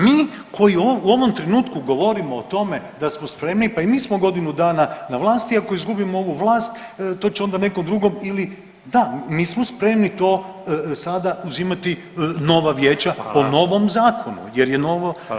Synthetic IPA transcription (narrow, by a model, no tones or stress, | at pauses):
miː | ko̞jiouo̞ʋo̞mt̪ɾenuːt̪kuɡo̞ʋo̞ɾimoːt̪o̞me̞d̪asmospɾe̞mnipaimiːsmo̞ɡo̞d̪inud̪aːnanaʋlˠaːst̪iako̞izɡubimooʋuʋlˠaːst̪t̪ːo̞ːt͡ɕeo̞nd̪ane̞komd̪ɾuɡomili | d̪amiːsmospɾe̞mnit̪o̞ː | sad̪auzimat̪i | no̞ʋaʋjeːt͡ɕapo̞no̞ʋo̞mzaːkʰonṵjeɾjeno̞ʋo